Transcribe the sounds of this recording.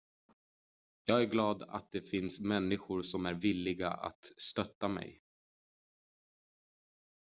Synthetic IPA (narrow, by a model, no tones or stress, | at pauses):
jɑːɡæɾɡlɑːd̪a̰t̪̚d̪ɛfɪnsmɛnːɪɧʊɾʂɔmæɾvɪlːɪɡa̰ʔa̰t̪st̪œt̪ːamɛ̰j